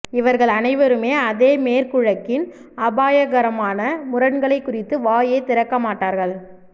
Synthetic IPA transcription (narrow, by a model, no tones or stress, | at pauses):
ɪʋɐɾɣɐɭɐnɐɪʋɐɾɯmeːɐðeːmeːɾkʊɻɐkːɪn | ɐbaːjɐɣɐɾɐmaːnɐmʊɾɐɳɡɐɭɐɪkːʊrɪt̪ːɯʋaːjeːt̪ɪɾɐkːɐmaːʈːaːɾɣɐɭ